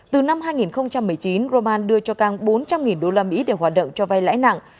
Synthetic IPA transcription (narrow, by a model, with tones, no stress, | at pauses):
t̪ɨ˨˩na˧mɦaː˧jŋi˨˩nxə˧wŋ͡mt͡ɕa˧mːɨ˨˩əjt͡ɕi˨˦nzo˧maː˧nɗɨ˧ət͡ɕɔ˧kaː˧˩ŋɓo˨˦nt͡ɕa˧mŋi˨˩nɗo˧laː˧mḭ˧˥ɗe˧˨˩ɦwaː˨˩t̚ɗə̰˧˨wŋ͡mt͡ɕɔ˧va˧jla̰ː˧˥jna̰˧˨ŋ